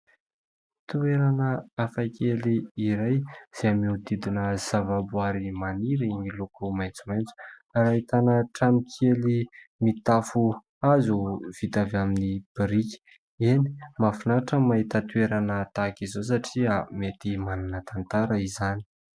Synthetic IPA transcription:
t̪ueɾanəafakeliːɾajz̥eamiut̪id̪inəz̥avabuaɾimaniɾiɲilukumajnt͡sumajnt͡su̥aɾaɦit̪anəʈ͡ʂamikʰelimit̪afu | azuv̥it̪avaminib̥iɾikʲi̥ | eni̥mafunaʈ͡ʂəmaɦit̪ət̪weɾanət̪akizos̬aʈ͡ʂiamet̪imananət̪ant̪aɾəizani̥

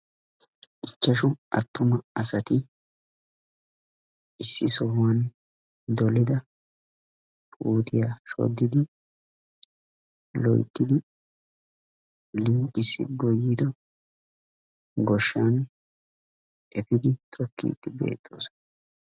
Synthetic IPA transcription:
ʔɪt͡ʃːɐʃʊɐt̪ːʊmɐɐsɐt̪ɪ | ʔɪsːɪ̰sɔhwɐn | d̪ɔlɪd̪ɐ | uːt̪ɪjaːʃɔ̰d̪ːɪd̪ɪ | lɔ̰jt̪ːɪd̪ɪ | liːʔɪsːɪ̰ɡɔjːɪd̪ɔ | ɡɔʃːan | ʔɛpɪd̪ɪt̪ʰʼɔkːḭːt̪ːɪbe̞̰ːt̪ʰʼːoːs

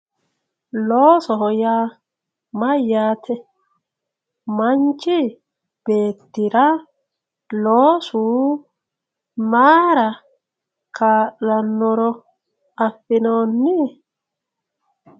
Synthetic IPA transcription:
loːsɔɦɔjaː | mɐjːaːt̪ʰɛ | mɐnt͡ʃːɪ | b̥e̞ːt̪ːɪɾɐ | loːsuː | maːɾɐ | kʰaːʔːɐnːɔɾɔ | ɐfːɪnoːnːɪ

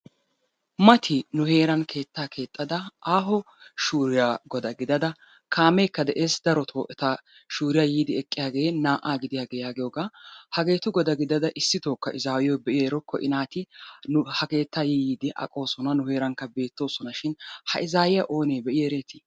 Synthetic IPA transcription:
mɐt̪ʰɪnʊhe̞ːɾɐnkʰe̞ːt̪ːaːkʰe̞ːt̪ʼːɐd̪ɐʔaːɦɔ | ʃuːɾɪjaːɡɔd̪ɐɡɪd̪ɐd̪ɐ | kʰaːmeːkːɐd̪ɛʔe̞ːsd̪ɐɾɔt̪ʰo̞ːʔɛt̪a | ʃuːɾɪjaːjiːd̪ɪɛkʼːɪjaːɡe̞ːnaːʔaːɡɪd̪ɪjaːɡɛjaːɡɪjoːɡaːhɐɡe̞ːt̪ʊɡɔd̪ɐɡɪd̪ɐd̪ɐʔɪsːɪt̪o̞ːkːɐʔɪzaːwɪjɔjbɛʔɪeːɾɔkʰːɔʔɪ̰naːt̪ɪnhɐke̞ːt̪ːajiːiːd̪ɪʔɐ̰kʼo̞ːsɔnɐnʊhe̞ːɾɐŋkːɐbe̞ːt̪ːo̞ːsɔnɐʃɪnhɐ̰ʔɪzaːjɪjaʔo̞ːneːbɛʔɪjeːɾe̞ːt̪ɪ̥

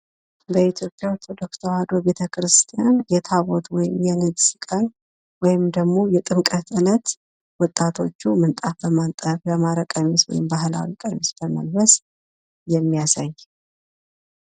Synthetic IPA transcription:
bəit̪ʰjo̞pʼːjaɾt̪ʰod̪o̞kt̪ʰəhad̪o̞be̞t̪ʰəkʰɾɨst̪ʰijanjɛt̪ʰaβot̪ʰwɔjɪmjɛnɨɡsɨkʼən | wɔjɪmd̪əɡmo̞jɛt̪ʼɨmkʼət̪ɨnət̪ | wɔt̪ʼːat̪ʰo̞t͡ʃːumɨnt̪ʼafbəmant̪ʼəfjəmaɾəkʼəmiswɔ̰jɪmbaɦɨla̰wikʼəmisbəmə̰lbəs | jɛmːijasaj

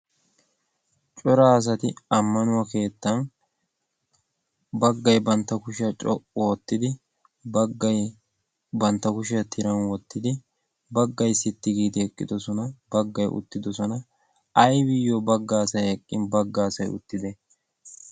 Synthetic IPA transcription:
t͡ʃʼɔɾaːs̬ɐt̪ɪɐmːɐnʊwɐke̞ːt̪ːɐn | bɐɡːɐjbɐnt̪ːɐkʊʃɪɐt͡ʃʼɔʔʼɔɔt̪ːɪd̪ɪ | bɐɡːɐj | bɐnt̪ːɐkʊʃɪjɐt̪ʰɪɾɐnwɔt̪ːɪd̪ɪ | bɐɡːɐjsɪt̪ːɪɡiːd̪ɪɛkʼːɪd̪ɔsɔnɐbɐɡːɐjʊ̰t̪ːɪd̪ɔsɔnɐ | ɐjbɪjːobɐɡːaːsɐjɛkʼːɪnbɐɡːaːsɐjʊ̰t̪ːɪd̪ɛ

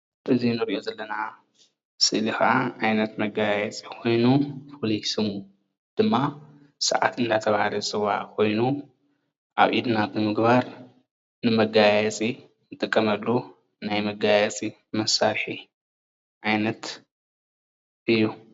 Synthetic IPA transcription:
ʔɨzinɨɾʔo̞zɐlːɐna | sɨʔlixʔaʕajnɐt̪mɐɡajɛt͡sʼikʰo̞jnufʰolisɨmu | d̪̥ɨmːa | sɐ̰ʕa̰t̪ɨnd̪ʰat̪ʰɐβahalɐsɨwa̰kʰo̞jnu | ʔa̰βʔid̪nabɨmɨɡbaɾ | nɨmɐɡajɛt͡sʼi | nɨt̪ʼɨkʼːɐmɐlːu | najmɐɡajɛt͡sʼi | mɐsːaɾħi | ʕajnɐt̪ | ʔɨjːu

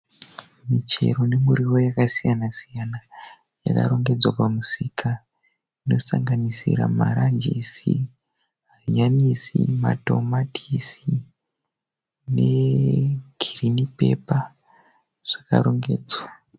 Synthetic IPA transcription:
mit͡ʃe̞̰ro̞ne̞muɾiwo̞jakasijanasijana | ja̰ka̰ɾo̞ŋɡe̞d͡zwapamusika | ino̞saŋɡanisira̰maɾand͡ʒisi | ɦaɲanisimato̞matʰisi | ne̞ | ɡ̥ʱirinipe̞̰pa | ʐ̥aka̰ɾo̞ŋɡe̞ːd͡zwa

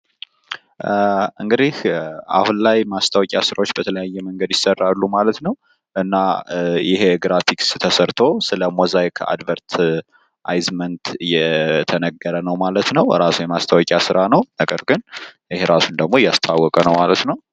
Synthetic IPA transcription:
ʔɨŋɡɨd̪ihʔa̰hnlajmast̪ʰawɔkʲʼjasɨɾawot͡ʃːbət̪ʰələjajːɛməŋɡəd̪jɪsərːalːumalət̪nəw | ʔɨnːajɪɦe̞ɡɾafikst̪ʰəsəɾt̪ʰo̞sɨləmozajkʰa̰d̪vəɾt̪ʰ | ʔajzmənt̪jɛt̪ʰənəɡːəɾənəwmalət̪nəwɾasujɛmast̪ʰawɔkʼjasɨɾanəwnəɡəɾɡɨnjɪheɾasund̪əɡ̚mo̞jast̪ʰawːɔkʼənəwmalət̪nəw

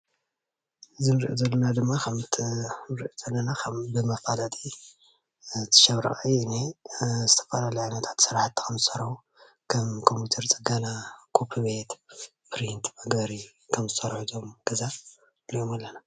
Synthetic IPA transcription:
ɨzɨnɨɾʔṵzɐlːɐnad̪ɨmːakʰɐmt̪ʰnɨɾʔuz̥ɐlːɐnakʰɐmbɨmɐfalat̪ʼi | t̪ʰːɨ̥ʃɐβɾɐ̰χʼiɨnezɨt̪ʰɐ̥fɐlalijʕajnɐt̪ʰḁt̪sɨɾaħt̪ːi̥kʰɐmzɨsɐɾħu | kʰɐmkʰompjut̪ʰɐɾt͡sʼɨɡanakʰupʰɨbet̪ | pɾint̪mɐɡɐɾi | kʰɐmzɨsɐɾħuzomɡ̥ɐza | lijomalːɐna

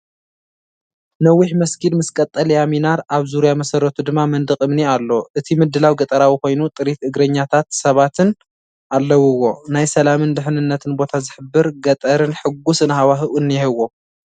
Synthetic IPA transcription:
nɐwːiħmɐsɡid̪mɨskʼɐt̪ʼːɐljaminaɾaβzuɾijamɐsɐrːɐt̪ʰud̪ɨmːamɐnd̪ɨkʼɨmnialːo̞ʔɨt̪ʰimɨd̪ːɨlawɡɐt̪ʼɐɾawiko̞jnut̪ʼɨɾit̪ɨɡɾɐɲːat̪ʰat̪sɐβat̪ʰɨn | ʔalːɐwɨwːo̞najsɐlamɨnd̪ɨħnɨnːɐt̪ʰɨnbo̞t̪ʰazɨħɨbːɨɾɡɐt̪ʼɐɾɨnħɨɡusɨnhawaɦɨʔunjɛhɨwo

